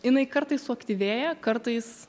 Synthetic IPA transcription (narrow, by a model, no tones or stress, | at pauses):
jɪnɐɪkɐɾt̪ɐɪssʊɐkt̪ʲiʋʲeːjɛkɐɾt̪ɐɪs